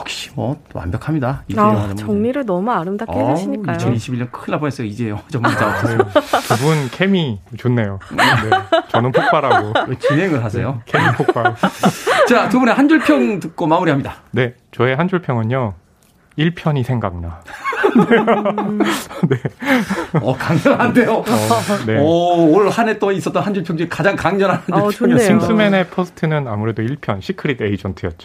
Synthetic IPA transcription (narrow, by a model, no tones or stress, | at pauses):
ʌkɕ͈i̥mʌ | wa̰mbjʌkʰamɲidaimoŋɲiɾɯɭnʌmuaɾɯmdakiiɲikaijt͡ɕʰʌniɕʰibiɭjʌnkʰɯnːabones͈ʌjoid͡ʑejot͡ɕʌmat͡ɕ͈aosʰkɯbunkʰe̞mit͡ɕonːe̞jonet͡ɕʌnɯnpʰok̚p͈aɾaɡowet͡ɕinɦe̞ŋɯɭɦasʰḛjokʰemipʰokp͈a | t͡ɕakɯbune̞hand͡ʑuɭpʰjʌŋtɯk̚k͈omamuɾiɦamɲidane̞ | t͡ɕʌe̞ɦand͡ʑuɭpʰjʌŋɯɲo | iɭpʰjʌɲisʰe̞ŋɡaŋnan | ne | ʌkaŋɲʌnɦande̞joneʌoɾɭhanet͈ois͈ʌt͈ʌnhand͡ʑuɭpʰjʌŋd͡ʑikad͡ʑaŋkaŋɲʌnɦanand͡ʑoɕʰinsʰɯme̞ne̞pʰosʰɯ̥tʰɯnɯna̰muɾe̞doiɭpʰjʌnɕʰikʰɯɾiteid͡ʑʌntʰɯjʌt̚t͡ɕi